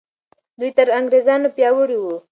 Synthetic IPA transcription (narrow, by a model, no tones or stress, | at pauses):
d̪ujt̪əɾaŋɡɾezɑnopjɑwəɽiwu